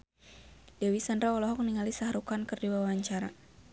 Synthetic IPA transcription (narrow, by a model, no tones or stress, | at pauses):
dɛwisandɾawalɔɦɔk̚niŋalisaɦɾukankɨrdiwawaɲt͡ʃaɾa